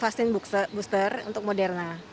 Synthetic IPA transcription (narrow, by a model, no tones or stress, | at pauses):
fasɪnbbust̪ərṵnt̪ʊk̚modɛrna